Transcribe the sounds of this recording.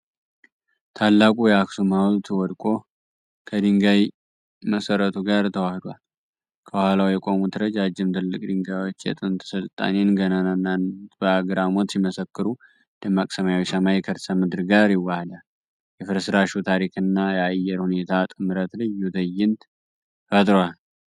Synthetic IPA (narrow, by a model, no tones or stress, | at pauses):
t̪ʰalːakʼujɛaksumawlt̪ʰɨwɔd̪kʼo̞ | kʰəd̪iŋɡaj | məsəɾət̪ʰuɡaɾt̪ʰəwahd̪wal | kʰəwahalawjɛkʷʼo̞mut̪ʰɨɾəd͡ʒad͡ʒːɪmt̪ʰɨlːɨkʼd̪iŋɡawot͡ʃːjɛ̰t̪ʼɨnt̪ʰʼsɨlt̪ʼa̰nenɡənənnːanbəaɡɾamo̞t̪siməsəkːɨɾu | d̪əmakʼsəmajawisəmajɛkʰəɾsəmɨd̪ɾɡaɾjɪwːahd̪al | jɛfɨɾsɨɾaʃut̪ʰaɾikʰɨnːajɛajːɛɾhune̞t̪ʰat̪ʼɨmɨɾət̪lɨjud̪əjːɪnt̪ | fət̪ʼɾwal